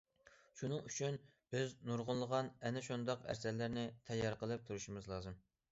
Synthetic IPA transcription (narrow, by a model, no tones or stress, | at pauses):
ʃunɨŋyt͡ʃʰynb̥ɪznuɾʁʊnlˠəʁɑnɛnɪʃund̪ɑqæ̰ɾsɛlːɪɾnɪt̪ʰɛjːɑɾqʰəlˠɨp̚t̪ʰuɾuʃimɪzlˠɑːzɨm